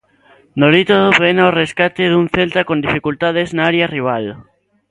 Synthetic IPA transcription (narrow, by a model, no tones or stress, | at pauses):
noɾit̪oðoβenaoreskat̪eðuŋθelt̪akond̪ifikult̪aðeznaaɾjariβ̞al